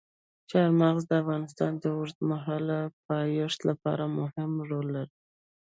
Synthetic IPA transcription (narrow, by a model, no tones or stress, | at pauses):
t͡ʃɑɾmaɣzd̪əafɣɑnɪst̪ɑnd̪əʊɾt̪maɦɑlapɑjoʃt̪lapɑ̰ɾamʊhɪmɾolːaɾi